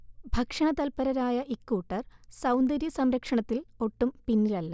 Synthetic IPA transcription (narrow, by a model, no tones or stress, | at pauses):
bʱɐkʂɐɳɐt̪ɐlpɐɾɐɾaːjɐʔikːuːʈːɐrsɐwnd̪ɐɾjɐsɐmɾɐkʂɐɳɐt̪ːilo̞ʈːumpinːilɐlːɐ